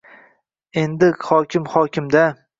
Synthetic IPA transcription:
e̞nd̪ɪhɒkʲʰɪmhɒkʲɪmd̪a

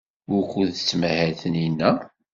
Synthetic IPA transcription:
ʊɾkʷːuðət͡sːmæhæθəninːæ

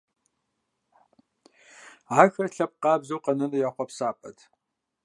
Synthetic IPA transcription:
aːxɐrɬɐp̚qɑːbzɐwqɐnɐnɐjaːχʷɔpsaːpʼɐ̰tʰ

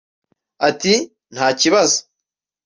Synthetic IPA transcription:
ati | n̥haːciβazo̥

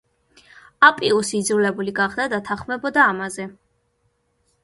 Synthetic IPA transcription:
apʼiusiːd̪zɾulɛbuliɡaχd̪ad̪at̪ʰaχmɛbɔd̪aːmazɛ

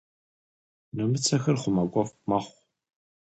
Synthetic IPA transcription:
nɨmɨt͡sʰɐxɐrχʷʊmɐkʷʼɔfmɐχʷ

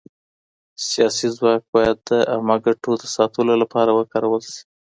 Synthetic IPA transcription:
sjɑsizwɑk̚bɑjad̪̚d̪ːəʔamaɡaʈod̪əsɑt̪əlolapɑɾawəkɑɾawəlsi̥

